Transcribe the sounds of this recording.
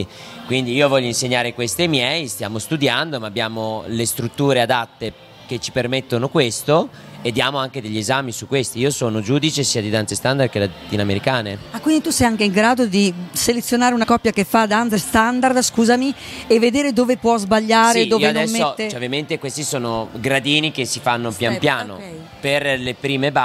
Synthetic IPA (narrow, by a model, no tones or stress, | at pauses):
i | kwind̪iiːovɔʎːoĩnseɲːaːɾekwest̪iemjɛjst̪ja̰ːmost̪ud̪jand̪omaːbjaːmolest̪ɾut̪ːuːɾead̪at̪ːe | ket͡ʃːi̥permet̪ːonokwest̪o | ed̪ːjaːmoaŋked̪eʎːiezamisukːwest̪iiːosoːnod͡ʒuːd̪it͡ʃesiːad̪id̪ant̪sest̪and̪ard̪̚kelat̪iːnoameɾikaːneakːwind̪it̪usɛjaŋkeiŋɡɾaːd̪od̪iselet̪sjonaːɾeunakɔpːjakefːad̪ant̪sest̪and̪ard̪skuːzami | evːed̪eːɾed̪oːvepwɔzbaʎːaːɾeoːvenɛsmːeːet͡ʃɛovjament̪ekwest̪isoːnoɡɾad̪iːnikesifanːopjanpjaːno̰ | perlepɾiːmeba